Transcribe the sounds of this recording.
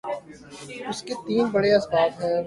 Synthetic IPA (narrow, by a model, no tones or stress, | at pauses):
ʊsket̪iːnbɐɽeɐsbaːt̪ɦɛː